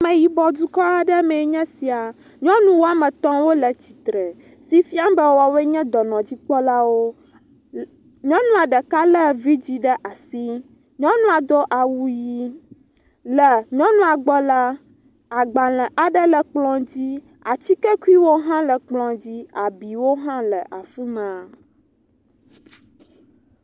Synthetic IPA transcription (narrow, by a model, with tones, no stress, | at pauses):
mɛ̃˨ji˨bɔ˨d̪u˦kɔ˦a˦ɖɛ˦mɛ̃˨˦ɲɛ̃˦si˨a˨ | ɲɔ̃˦nũ˦wo˦a˨mɛ̃˨t̪ɔ̃˦wo˦lɛ˨t͡ɕi̥˨t̪ɾɛ˨ | si˦fi˦a˦mbɛ˦˨wa˨wɛ˦ɲɛ̃˦d̪ɔ˨nɔ̃˨d͡ʑi˦k͡pɔ˦la˦wo˦ | ɲɔ̃˦nũ˦a˨ɖɛ˨ka˦lɛ˦vi˦d͡ʑi˦ɖɛ˦ʔa˨si˦ | ɲɔ̃˦nũ˦a˨d̪ɔ˦ʔa˨wu˨ji˦ | lɛ˨ɲɔ̃˦nũ˦a˨ɡ͡bɔ˦la˦ | a˨ɡ͡ba˨lɛ̃˨ʔa˨ɖɛ˦lɛ˨k͡plɔ̃˦d͡ʑi˦ | a˨t͡ɕi˦kɛ˦ku˦i˦wo˦ɦã˦lɛ˨k͡plɔ̃˨d͡ʑi˦a˨bi˨wo˦ɦã˦lɛ˨ʔa˨fi˦mɛ˨a˨